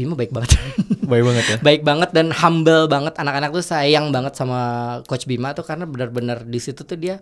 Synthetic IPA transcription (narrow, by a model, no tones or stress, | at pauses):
bimabaɪk̚baŋət̪baɪk̚baŋət̪jabaɪk̚baŋət̪̚danhambəlbaŋət̪anakanak̚t̪usajaŋbaŋət̪̚samakot͡ʃbimat̪ukarənabənərbənərdisit̪ut̪udia